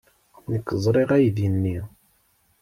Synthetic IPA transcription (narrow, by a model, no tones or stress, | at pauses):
nəkːzˤɾˤeʁæjðənːi